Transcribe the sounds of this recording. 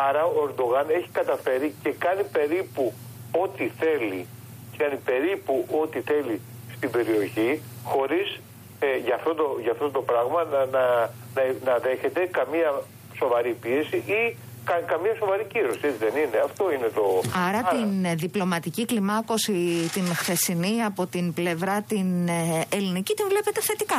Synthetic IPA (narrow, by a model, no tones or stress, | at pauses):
ɐɾɐoeɾd̪o̞ɣɐne̞çi̥kɐt̪ɐfe̞ɾice̞kɐnipe̞ɾipu | o̞t̪iθe̞lḭ | ckɐnipe̞ɾipuʔo̞t̪iθe̞li | st̪ibe̞ɾio̞çi | xo̞ɾis | eʝɐft̪o̞t̪oʝɐːft̪o̞t̪o̞pɾɐɣmɐnnɐ | nɐnɐðe̞çe̞t̪e̞kɐmiɐ | so̞vɐɾipie̞siʔi | kɐkɐmɲɐso̞vɐɾiciɾo̞siet͡siðe̞nineɐft̪o̞ine̞t̪o̞ɐɾɐt̪inðiplo̞mɐt̪iciklimɐko̞sit̪inxθe̞siniɐpo̞t̪inple̞vɾɐt̪inelinicit̪iɱvle̞pe̞t̪e̞θe̞t̪ikɐ